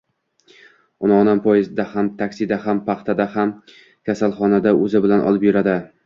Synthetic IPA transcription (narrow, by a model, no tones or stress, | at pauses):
ʊnɒnampʰɒjɪzɪd̪ahamt̪ʰakʲsɪd̪ahampʰɑχt̪ʰad̪aham | kʲasalˠχɒnad̪aɵzɪbɪlanʔɒ̰lˠɪpjʊɾad̪ɪ